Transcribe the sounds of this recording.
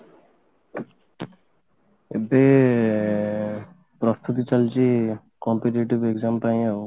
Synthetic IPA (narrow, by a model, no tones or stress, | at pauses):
ebe | pɾɔst̪ʰut̪it͡ʃəlt͡ʃi | kɔmpeʈeːʈiʋeɡzamt̪ãːĩ